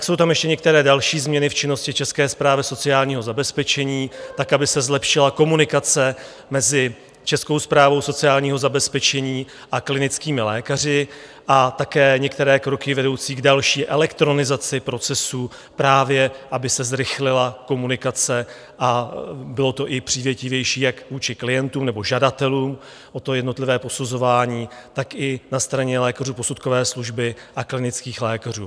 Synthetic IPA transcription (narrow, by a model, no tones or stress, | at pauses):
kso̞wt̪amjɛʃcɛɲɛkt̪ɛɾɛːdalʃiːzmɲɛnɪft͡ʃɪno̞scɪt͡ʃɛskɛːspɾaːvjɛso̞t͡sɪaːlɲiːɦo̞zabɛspɛt͡ʃɛɲiːt̪akʔabɪsɛzlɛpʃɪlako̞munɪkat͡sɛ | mɛzɪ | t͡ʃɛsko̞wspɾaːvo̞wso̞t͡sɪaːlɲiːɦozabɛspɛt͡ʃɛɲiː | ʔaklɪnɪt͡skiːmɪlɛ̰ːkar̝ɪ | ʔat̪akɛːɲɛkt̪ɛɾɛːkɾo̞kɪvɛdo̞wt͡siːɡdalʃiːʔɛlɛkt̪ɾo̞nɪzat͡sɪpɾo̞t͡sɛsuː | pɾaːvjɛʔabɪsɛzɾɪxlɪlako̞munɪkat͡sɛ | ʔabɪlo̞t̪o̞ʔɪpr̝̥iːvjɛcɪvjɛjʃiːjakvuːt͡ʃɪklɪjɛnt̪uːmnɛbo̞ʒadat̪ɛluːm | ʔot̪ojɛdnot̪lɪvɛːpo̞suzo̞vaːɲiːt̪akɪnast̪ɾaɲɛlɛːkaruːpo̞sut̪ko̞vɛːsluʒbɪʔaklɪnɪt͡skiːxlɛːkarṵː